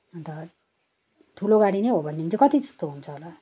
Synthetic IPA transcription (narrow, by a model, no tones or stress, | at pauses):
ʌnt̪ʌ | t̪ʰuloɡaɽinʌjɦobʱʌnːeint͡sʰʌkʌt̪id͡zʌ̥st̪oɦunt͡sʰʌɦola